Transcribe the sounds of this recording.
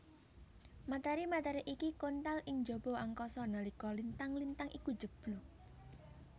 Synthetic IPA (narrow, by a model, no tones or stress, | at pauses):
mat̪ɛɾimat̪ɛɾiʔikikont̪alɪŋd͡ʒob̥o̤ʔaŋkɔsɔnalikɔlint̪aŋlint̪aŋʔiku̥d͡ʒ̥ə̤b̥lu